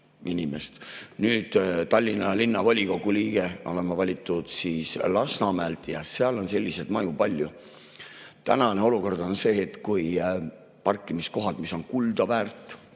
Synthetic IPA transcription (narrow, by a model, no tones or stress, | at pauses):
inʲimest̪nyːd̪̥t̪ɑlʲːinːɑlinːɑvɑlʲiko̞ɡuliːɡ̥e̞ʔo̞le̞mːɑvɑlʲit̪ːˑud̪̥siːslɑsnɑmælt̪jɑseɑlo̞nse̞lʲːise̞d̪̥mɑjupɑlʲːju | t̪æ̰nɑne̞o̞luko̞rd̪̥onse̞ːt̪kuj | pɑrkːˑimisko̞ɦɑd̪̥miso̞nkuld̪ɑvæːrt̪ːˑ